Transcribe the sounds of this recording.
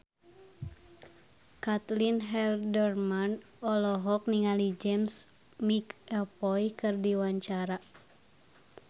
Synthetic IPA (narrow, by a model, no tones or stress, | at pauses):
kat̪linɦɛldɛrman | ɔlɔɦɔk̚niŋalid͡ʒɛms | mikɛlpɔjkɨrdiwaɲt͡ʃaɾa